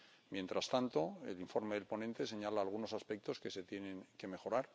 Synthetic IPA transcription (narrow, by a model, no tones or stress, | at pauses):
mje̞nt̪ɾast̪ant̪o̞e̞̰liɱfo̞ɾme̞ðe̞lpo̞nẽ̞nt̪ese̞ɲalaːlɣ̞uno̞saspek̚t̪o̞ske̞se̞t̪je̞nẽ̞ŋke̞me̞xo̞ɾaɾ